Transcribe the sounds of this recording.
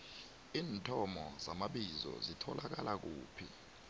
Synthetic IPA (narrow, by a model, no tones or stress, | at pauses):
iːntʰʼɔmɔzamaɓizɔ̰zitʰɔlak̬alak̬uːpʰi